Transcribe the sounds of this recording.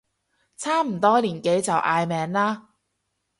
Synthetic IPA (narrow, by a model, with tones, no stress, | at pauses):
t͡sʰaː˥m̩˨˩t̪ɔː˥liː˨˩nke˨˥jt͡sɐ˨wʔaː˧jmɛː˨˧ŋlaː˥